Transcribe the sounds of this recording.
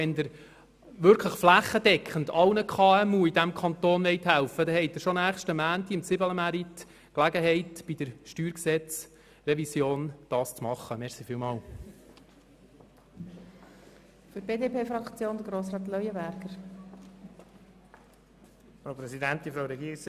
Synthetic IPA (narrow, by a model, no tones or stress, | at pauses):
ɛnd̪əɾ | ʋʏɾkʰləχflæχːəd̥ɛkχəndɑlnəkʰχɑːɛmuːid̪æmkʰɑnt̪oːnʋɛɪt̪hælfəd̪ɛhɛɪt̚d̪ɪɾʃɔnæːχʃtəmæːntiɪmt͡sɪbələmæɾit̪ | klæɡəɦɛɪtb̥id̥̪əɾʃtyːɾksɛt͡s | rɛvisjoːnd̪̥ɑːst͡smɑχːəmɛʁsifiːlmɑːl | fʏɾb̥eːd̪epʰeːfɾɑkt͡sjoːnd̪əɡɾoːsɾɑːt̪lœjəbæɾɡ̥əɾ | fɾaʊpɾɛsidænt̪infɾaʊɾɛɡiːɾɪks